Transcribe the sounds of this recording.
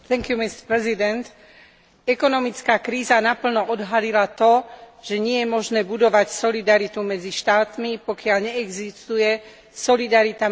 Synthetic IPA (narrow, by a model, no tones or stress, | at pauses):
θɛŋkjumist̪pɾɛzid̪ɛnt̪ | ɛkɔnɔmit͡skaːkɾiːzanapl̩nɔʔɔd̪ɦalilat̪ɔʒɛɲɪɛjɛmɔʒnɛːbud̪ɔʋacsɔlid̪aɾit̪umɛd͡ziʃt̪aːt̪mipɔkɪaʎɲɛɛɡzist̪ujɛ | sɔlid̪aɾit̪a